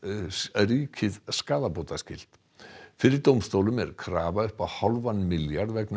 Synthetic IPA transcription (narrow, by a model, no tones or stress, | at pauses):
riːcʰɪðskaːðapot̪ascɪl̥t̪ | fɪɾɪɾt̪owmst̪owlʏmɛɾ̥kʰɾaːvaʏhpaðhalvanmɪljaɾðvɛkn